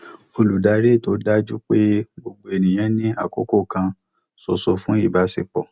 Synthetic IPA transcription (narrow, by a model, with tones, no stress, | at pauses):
o˧lu˨da˨˧˦ɾe˦˨to˨˦da˦d͡ʒu˦k͡pe˦ɡ͡bo˧ɡ͡bo˧e˨nĩ˨j̃ã˨˦nĩ˦a̰˦˨ko˨˦ko˦˨kã˧ | so˨so˧fũ˦i˦˨ba˨˦sḛ˨k͡pɔ̰˨